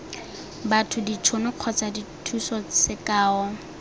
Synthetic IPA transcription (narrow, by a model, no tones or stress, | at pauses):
batʰʊdit͡ʃʰonʊq͡χʰɔt͡saditʰusɔsɪkaːɔ